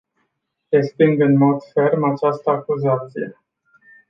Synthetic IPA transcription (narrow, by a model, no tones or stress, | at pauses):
ɾest̪iŋɡɨnmo̞d̪fe̞rmat͡ʃast̪əakuzat̪sije